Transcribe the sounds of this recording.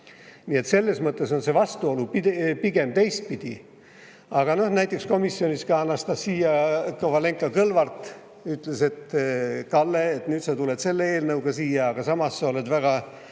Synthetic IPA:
nie̞t̪se̞lːe̞smɤt̪ːˑe̞so̞nse̞vɑst̪uo̞lupipiɡ̥e̞mt̪e̞jst̪̚pid̪̥i | ɑɡ̥ɑno̞hnæjt̪ːˑeksko̞misːjo̞niskɑɑnːɑst̪ɑssiːjɑkovɑle̞ŋkːˑɑkɤlvɑrt̪ˑ | yt̪le̞se̞t̪kɑlːeːt̪nyːt̪sɑt̪ulet̪se̞lːee̞ːlnɤwɡ̥ɑsiːjɑːɡ̥ɑsɑmɑsːɑo̞le̞d̪væɡ̥ɑ

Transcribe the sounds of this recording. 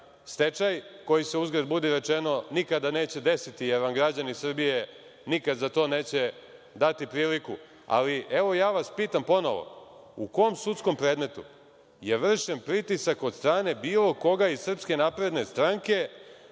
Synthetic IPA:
st̪e̞t͡ʃajko̞jise̞uzɡɾad̪bud̪iɾe̞t͡ʃeno̞nikad̪ane̞ːt͡ɕe̞d̪e̞sit̪ijeɾʋamɡɾad͡ʑanisr̩bije | nikad̪zat̪o̞ːne̞ːt͡ɕe | d̪at̪ipɾiːliku | a̰liʔeʋo̞jaːʋaspiːt̪ampo̞no̞̰ʋo̞̰ṵkomsut̪sko̞mpɾeːd̪me̞t̪u | jeʋr̩ʃempɾit̪isako̞d̪st̪ɾaːne̞biːlo̞ko̞ɡaisr̩pske̞napɾe̞d̪ne̞st̪ɾaŋke̞

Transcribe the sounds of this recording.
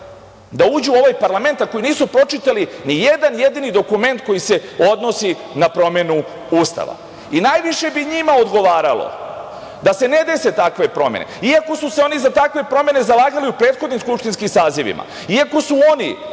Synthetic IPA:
d̪auːd͡ʑuo̞ʋajpaɾlˠame̞nt̪ako̞jiniːsupɾo̞t͡ʃit̪alinijed̪anje̞d̪inid̪o̞kume̞nt̪̚ko̞jise̞o̞d̪no̞si | napɾo̞me̞nu | uːst̪a̰ʋa̰ | inajʋiʃe̞biɲimaod̪ɡo̞ʋaːɾalo̰ | d̪ase̞ne̞d̪e̞se̞t̪akʋe̞pɾo̞mḛnḛiako̞suseo̞nizat̪akʋe̞pɾo̞mje̞ne̞zalˠaːɡaliupɾeːt̪xo̞d̪nimskupʃt̪inskimsaːziʋḭma̰ | iako̞suo̞nḭ

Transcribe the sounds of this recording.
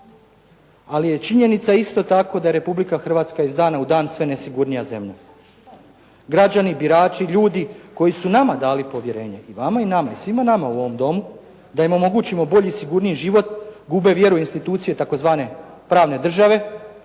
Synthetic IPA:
alije̞t͡ʃiɲe̞nit̪saist̪o̞t̪ako̞d̪aje̞ɾe̞publikaxr̩ʋaːt̪skaizd̪aːnaud̪aːnsʋe̞ne̞siɡuɾnijaze̞mʎa | ɡɾad͡ʑanibiɾaːt͡ʃiʎuːd̪iko̞jisunamad̪aːlipo̞ʋje̞ɾe̞ːɲe̞ʔiʋamainamaisʋimanamauo̞ʋo̞md̪o̞mu | d̪aimo̞mo̞ɡut͡ɕimo̞bo̞ʎisiɡuɾnijeʒiʋo̞t̪ɡube̞ʋje̞ɾuinst̪it̪uːt̪sije̞t̪ako̞zʋaːne̞pɾaːʋne̞d̪r̩ʒaʋe̞

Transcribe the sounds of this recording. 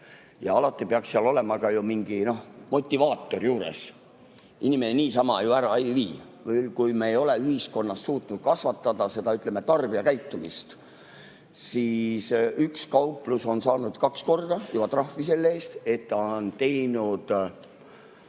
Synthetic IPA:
jɑɑlɑt̪ːˑipeɑkseɑlo̞le̞mɑkɑjumiŋɡ̥ino̞hmo̞t̪ʲːˑivɑːt̪ːˑo̞rjuːɾe̞̰s | inimeneniːsɑmɑjuæɾɑejviː | velkujmeejo̞le̞yhisko̞nːɑst̪ːuːt̪ˑnud̪̥̚kɑsvɑt̪ˑːɑd̪̥ɑse̞d̪̥ɑyt̪ːˑlemːe̞t̪ɑrb̥iɑkæjt̪ːˑumḭst̪ | siːsykskɑwpluso̞nsɑːnud̪̥kɑksko̞rd̪ɑjubɑt̪rɑhvise̞lːeeːst̪e̞t̪ːont̪e̞jnud̪̥

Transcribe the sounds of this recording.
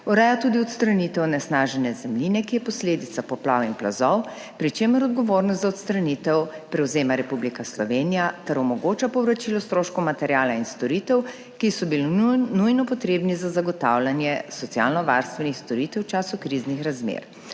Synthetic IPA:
uɾɛjat̪uːd̪iɔt̪st̪ɾanit̪ɛwnɛsnaːʒɛnjɛzɛmlinɛkijɛpɔsleːd̪it̪sapɔplawinpla̰zɔw | pɾit͡ʃeːmɔɾɔd̪̚ɡɔʋoːɾnɔst̪zaɔt̪st̪ɾanit̪ɛwpɾɛwzeːmaɾɛpublikaslɔʋeːnijat̪ɛɾɔmɔɡoːt͡ʃapɔwɾat͡ʃilɔst̪ɾoːʃkɔmat̪ɛɾjaːlainst̪ɔɾit̪ɛw | kisɔbilinujnɔpɔt̪ɾeːbnizazaɡɔt̪awlʲanjɛsɔt̪sia̰ːlnɔʋa̰ɾst̪ʋɛnixst̪ɔɾit̪ɛwt͡ʃaːsukɾiznixɾazmḛɾ

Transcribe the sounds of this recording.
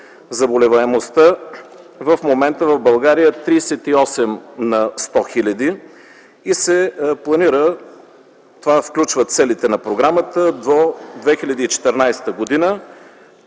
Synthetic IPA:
zɐbolɛvɐɛmost̪ə | vəfmomɛnt̪əvɐvbɐlˠɡaɾijət̪ɾiːsɛt̪iɔsɛmnɐst̪ɔxilʲɐd̪i | isɛplˠɐniɾə | t̪ovafklʲut͡ʃvət̪sɛlit̪ɛnɐpɾoɡɾamət̪əd̪od̪vɛxilʲɐd̪iːt͡ʃɛ̥t̪ɛɾnajst̪əɡod̪inə

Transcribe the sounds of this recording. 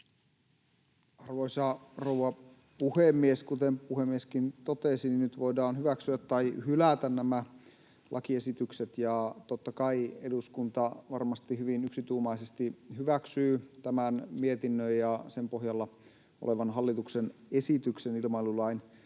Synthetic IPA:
ɑrʋoisɑrowɑ | puhemːieskut̪empuhemːieskint̪ot̪esininyt̪ʋoidɑːnhyʋæksyæt̪ːɑihylæt̪ænnæmæ | lʔɑ̰kie̞sit̪ykset̪jɑt̪ot̪ːɑkɑieduskunt̪ɑʋɑrmɑst̪ihyʋinyksit̪uːmɑisest̪ihyʋæksyːt̪æmænmiet̪inːøjjɑsempoɦjɑlːɑ | o̰leʋɑnɦɑlːit̪uksenesit̪yksenilmɑilulɑin

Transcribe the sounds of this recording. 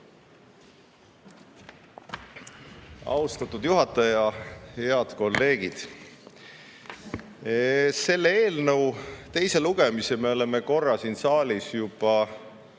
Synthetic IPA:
ɑ̰wst̪ɑt̪ːˑud̪̥juɦɑt̪ːˑɑjɑhe̞ɑd̪̥ko̞lːe̞ːɡ̥id̪̥ | se̞lːeeːlnəwt̪e̞jse̞luɡ̥emiseme̞o̞le̞me̞ko̞rːɑsinsɑːlisjub̥ɑ

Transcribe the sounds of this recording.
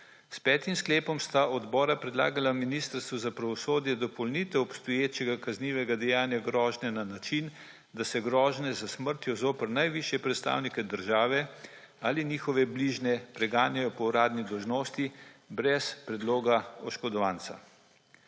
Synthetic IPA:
spɛːt̪imskleːpɔmst̪aʔɔd̪bɔːɾapɾɛd̪la̰ːɡalaminist̪əɾst̪ʋuzapɾaʋɔsoːd̪jɛd̪ɔpɔlnit̪ɛɔpst̪ɔjeːt͡ʃɛɡakazniːʋɛɡad̪ɛjaːnjaɡɾɔːʒnɛnanat͡ʃin | d̪asɛɡɾɔːʒnɛzasməɾt̪jɔzoːpəɾnajʋiʃjɛpɾɛt̪st̪a̰ːwnikɛd̪əɾʒaːʋɛ | aliniːxɔʋɛbliʒnɛpɾɛɡaːnjajɔpɔuɾaːd̪nid̪ɔwʒnoːst̪ibɾɛspɾɛd̪loːɡaɔʃkɔd̪ɔʋaːnt̪sa̰

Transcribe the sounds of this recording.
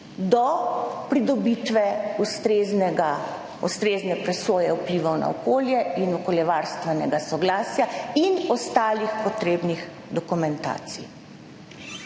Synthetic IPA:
d̪ɔpɾid̪ɔbit̪ʋɛust̪ɾeːznɛɡa | ɔst̪ɾeːznɛpɾɛsoːjɛupliːʋawna̰ɔkoːljɛinɔkɔljɛʋaːɾst̪ʋɛnɛɡasɔɡlaːsjainɔst̪aːlixpɔt̪ɾeːbnix | d̪ɔkumɛnt̪a̰ːt̪sḭ

